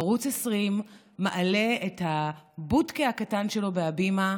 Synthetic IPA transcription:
ʁut͡sesʁimː | aʔale̞ethabudkehakatanʃelo̞beabima

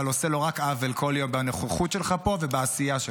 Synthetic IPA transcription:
aloselo̞ʁakavelkʰo̞ljo̞mbaneχeχut̪ʃelχapo̞vebaasijaʃ

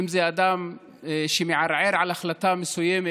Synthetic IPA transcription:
mzeʔad̪am | ʃemjeʕaɾʕeɾʕalaxlat̪amesujːeme

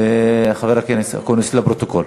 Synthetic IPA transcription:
eaχaveɾakenesa̰koneslapɾot̪okol

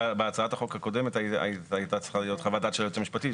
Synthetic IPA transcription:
beat͡saataχo̞khako̞demetaa̰ait̪at͡sʁiχalijo̞t̪χavadat̪ʃejot͡semiʃpati

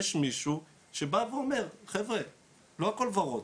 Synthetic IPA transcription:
eʃmiʃu | ʃe̞baveome̞ʁχevʁe | loako̞lvaʁot

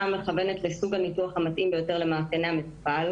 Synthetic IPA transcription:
ame̞χave̞ne̞tlesuɡhanituaχhamat̪ʔimbe̞jo̞te̞ʁle̞maːkeneamitpal

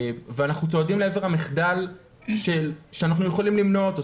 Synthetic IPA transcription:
veanaχnut͡soadimleeve̞ʁhamiχd̪al | ʃe̞lʃeanaχnujeχolimlimno̞t̪o

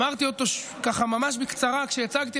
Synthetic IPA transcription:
aʁt̪io̞t̪o̞ʃkaχamamaʃ̬bikt͡saʁakʃejat͡saɡt̪i

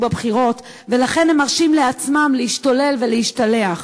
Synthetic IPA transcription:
babχiʁo̞t | ve̞laχe̞nhemaʁʃimleat͡smamlehiʃtole̞lve̞lehiʃtale̞aχ

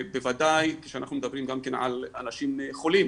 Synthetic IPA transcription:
bevad̪ajke̥ʃeanaχnumed̪abʁimɡamkenʕa̰la̰naʃimχolim

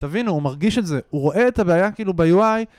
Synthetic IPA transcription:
tavinuːmaʁɡiʃe̞tze̞uʁo̞ʔe̞ːtabeajakiiːlubejuaj

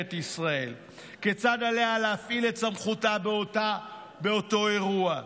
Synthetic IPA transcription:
etisʁae̞l | ket͡sadalealeafile̞tsamχutabota | be̞o̞to̞e̞ʁua

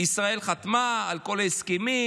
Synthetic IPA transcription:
isʁae̞lχat̪maːlko̞laheskemi

